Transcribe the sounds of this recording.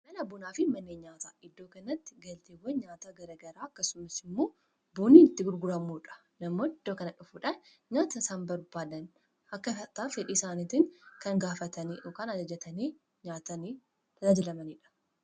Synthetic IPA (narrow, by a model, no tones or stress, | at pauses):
mɐlɐbʊnaːfɪmɐnːeːɲaːt̪aːʔɪd̪ːo̞ːkɐnɐt̪ːɪɡɐlt̪eːwɐɲaːt̪ɐɡɐɾɐɡɐɾaːɐkːɐsʊmɐsɪmːo̞ː | buːniːɪt̪ːɪɡʊɾɡʊɾɐmuːᶑɐ̥ | nɐmːo̞ːɪd̪ːoːkɐnɐᶑʊfuːᶑɐn | ɲaːt̪ɐsaːnbɐɾbaːd̪ɐn | ɐkːɐfɐt̪aːfɛᶑiːsaːnit̪ɪŋkɐŋɡaːfɐt̪ɐniːʔoːkaːnɐd͡ʒɐd͡ʒɐt̪ɐneː | ɲaːt̪ɐniː | t̪ʰɐd̪ɐd͡ʒɐlɐmɐniːᶑɐ̥